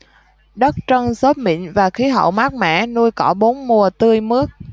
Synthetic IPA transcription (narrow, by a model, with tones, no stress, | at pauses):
ɗə˦˥t̚t͡ɕə˧ŋso˦˥t̚mḭ˧˨nvaː˨˩xi˨˦ɦə̰˧˨wma˦˥k̚mɛ̰˧˥nu˧jkɔ˧˩ɓo˨˦nmu˨˩ət̪ɨ˧əjmɨ˦˥ək̚